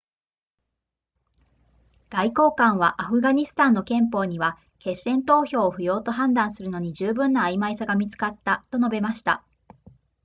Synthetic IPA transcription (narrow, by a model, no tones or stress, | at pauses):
ɡ̥aiko̞ːkãɰ̃β̞aʔaɸɯ̟ɡaɲ̟isɨ̥t̪ãnːo̞kẽ̞mpo̞ːɲ̟iβa | ke̞sːẽ̞nt̪o̞ːço̞ːoɸɯ̟jo̞ːt̪o̞ɦãnd̪ãɰ̃sɨɾɯ̟no̞ɲ̟id͡ʑɨːbɯ̟̃nːaːimaisaɡamʲit͡sɨ̥kat̪ːat̪o̞no̞be̞maɕi̥t̪a